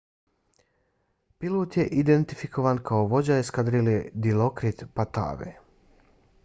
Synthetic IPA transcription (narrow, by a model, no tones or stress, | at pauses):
pilˠoːt̪jeʔid̪ent̪ifikʰo̞ʋankʰaoʋo̞d͡ʑajeskad̪ɾiled̪ilokɾit̪pat̪a̰ːʋḛ